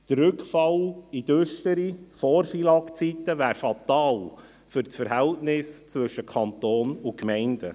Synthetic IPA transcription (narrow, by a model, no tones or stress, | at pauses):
d̪̥ərɾɵkfɑlid̥̪øʃtəɾifoːɾfilɑkt͡sit̪ːəvæːɾfɑt̪ɑːl | fʏɾt͡sfəɾɦɛltnɪst͡svʏʃəkʰɑnt̪oːnʊkmɛɪndə